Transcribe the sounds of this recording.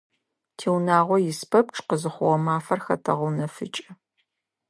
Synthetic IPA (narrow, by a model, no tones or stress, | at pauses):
tʰeːwnaːʁʷɔjɪspʰɐp̚ʈ͡ʂʰʼqəzɨχʷʊʁɐmaːfɐrxɐ̰tʰɐʁʊnɐfɨ̰t͡ʃʼɐ